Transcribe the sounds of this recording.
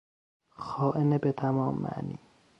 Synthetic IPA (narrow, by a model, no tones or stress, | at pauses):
xɒːʔenebet̪ʰæmɒːmːæ̰ʔniː